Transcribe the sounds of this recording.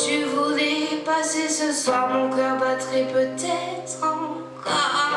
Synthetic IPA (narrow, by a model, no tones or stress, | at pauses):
t̪yvulɛpasesəswaʁmɔ̃kɔʁbat̪χipøt̪ɛt̪χɑ̃ | kɔʁ